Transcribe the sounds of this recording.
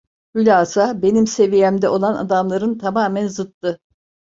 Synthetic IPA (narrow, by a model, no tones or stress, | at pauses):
hylʲaːzabe̞nimse̞vijɛmd̪ɛʔo̞lˠana̰d̪amlˠaɾɯnt̪ʰamaːmænzɯt̪ːɯ